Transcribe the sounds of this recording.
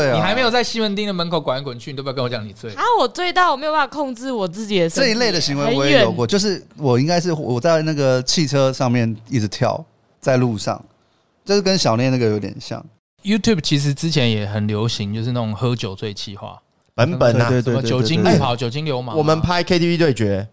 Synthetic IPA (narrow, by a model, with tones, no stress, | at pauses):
we˥˩ɪni˨˩a˧˥me˧˥jo˨˩t͡sa˥˩ɪɕi˥wə˧˥nt̪i˥ŋd̪ə˨mə˧˦nkʰo˨˩ʊkwa˨˦ni˨˥kʰə˨˦n˩t͡ɕʰy˥˧˨t̪o˥˧˥nwɔ˧t͡ɕjɑ˨˥˦ni˨˩t͡swe˥˩a˧˦wɔ˨˩t͡swe˥˧ɪt̪ɑ˥˩wme˥jo˨pa˥a˨˩kʰɔ˥˧ŋʈ͡ʂɻ̩˥˩wɔ˨˩t͡sɹ̩˥˩t͡ɕi˨˩˨ʈ͡ʂə˥˩i˧˥le˥˩ɪd̪ə˨˩ɕi˧˥ŋwe˧˦wɔ˧˦˥jɛ˦˥˨o˨ʊkɔ˥˧˦t͡ɕjo˥˧ʊʂ̬ɻ̩˥˩wɔ˨˩i˥ŋka˥ɪʂ̬ɻ̩˥˩wɔ˨˩t͡sa˥˧ɪna˥˩ɡə˩t͡ɕʰi˥˩ʈ͡ʂʰɤ˥ʂɑ˥˧ŋmjɛ˥˩ni˥˩ʈ͡ʂɻ̩˧˦t̪ʰjɑ̰˥˧˩ʊ | t͡sa˥˧ɪlu˥˧ʂɑ̰˥˨˩ŋ | t͡ɕjo˥˧ʊʂɻ̩˥˩kə˦˥nɕjɑ˨˩ʊnjɛ˥˧˦na˥˩ɡə˨jo˧˥ʊt̪jɛ̰˨˩nɕjɑ̰˥˩ŋ | ju˥t̪ʰju˥˩bt͡ɕʰi˧˥ʂ̬ɻ̩˧˦t͡sɻ̩˥˦t͡ɕʰjɛ˧˦˥njɛ˨˩xə˨˩nljo˧˥ʊɕi˧˦ŋt͡ɕjo˥˧ʊʂ̬̩˥˧na˥˩ʊ˨˩ŋxɤ˧˥t͡ɕjo˨˩ʊt͡swe˥˧ɪt͡ɕʰi˥˧xwa̰˥˩ | pə˧˦npə˨˩e˥˧twe˥˧˥t͡ɕjo˨˩ʊ˥˧t͡ɕi˥u˥pʰɑ˨˦ʊt͡ɕjo˨˩ʊt͡ɕi˦˥nljo˧˥ʊma˨wɔ˨˩mə˨˦npʰa˥ɪkʰe˥t̪ʰi˥˧pi˥t̪we˥˩ɪt͡ɕɥɛ˧˥